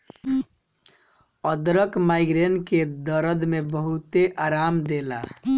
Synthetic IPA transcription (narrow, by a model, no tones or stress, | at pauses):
əd̪ɾəkmajɡɾenked̪əɾəd̪mebəɦut̪eʔaɾamd̪ela̰